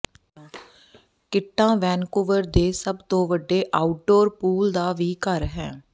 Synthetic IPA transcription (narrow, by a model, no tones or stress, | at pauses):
kɪʈːãːʋɛːnkʊʋəɾd̪eːsəbt̪õːʋəɖːeːʔaːʊʈ̚ɖoːɾpuːld̪aːʋiːkəɾɦɛ̃ː